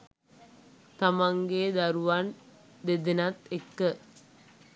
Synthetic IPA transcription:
t̪ɐmɐŋɡeːd̪ɐɾuʋɐn | d̪ed̪inɐt̪ekːɯ

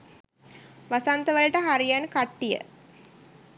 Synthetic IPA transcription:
ʋasant̪əʋələʈəɦaɾijankaʈːijə̰

